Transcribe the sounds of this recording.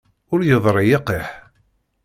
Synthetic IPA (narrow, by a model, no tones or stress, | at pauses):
ʊɾjəðˤɾˤijɪqeħ